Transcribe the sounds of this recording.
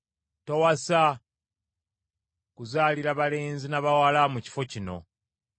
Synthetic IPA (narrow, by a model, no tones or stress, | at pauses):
towasa | kuzaːliɾaβale̞ːnzinaβawalamuci̥fo̞cino̞̰